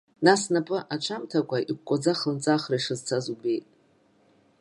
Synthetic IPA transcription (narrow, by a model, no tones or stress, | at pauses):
nasnapʼɨʔat͡ʃʷʰamtʰakʷʰʼaʔikʷkʷʼod͡zaχnt͡sʼaχraʂɨzt͡sʰazube̞jtʼ